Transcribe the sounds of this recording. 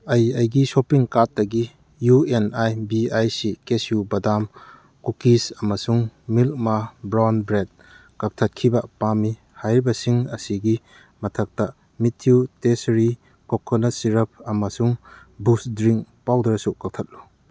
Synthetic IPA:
ɐjɐjɡisopiŋkat̚ːɐɡi | juenajbiajsikesjubɐdam | kukisɐmɐsuŋmilk̚mabɾanbɾed̚ | kak̚tʰɐt̚kʰibɐpami | hajɾibɐsiŋɐsiɡi | mɐtʰɐk̚tɐ | mitʰjutesɾi | kokʰːonɐsiɾɐp̚ʰɐmɐsuŋ | busdɾiŋkpawdɐɾsukak̚tʰɐt̚lu

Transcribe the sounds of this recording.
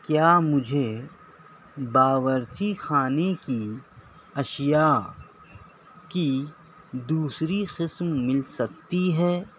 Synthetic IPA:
kjaːmʊd͡ʒʱe | baːʋəɾt͡ʃixaːneki | ɐʃja | ki | d̪uːsɾiqɪsmːɪlsɐk̚t̪iɦɛː

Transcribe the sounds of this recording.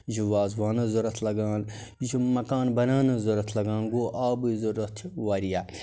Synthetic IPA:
zuʋaːzʋaːnɐzuɾɐt̪ʰlɐɡãːn | d͡ʒimɐkaːnbɐnaːnɐzɐɾɐt̪ʰlɐɡãːnɡoːʔaːbɨzuɾɐt̪ʰʋaːɾijaː

